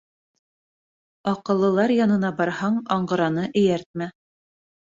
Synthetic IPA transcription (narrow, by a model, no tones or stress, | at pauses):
ɑqɤ̆lˠːɤ̆lˠɑɾjɑnɤ̆nɑbɑɾhɑɴɑɴɢɤ̆ɾɑnɤʔɘ̆jæɾt̪̚mæ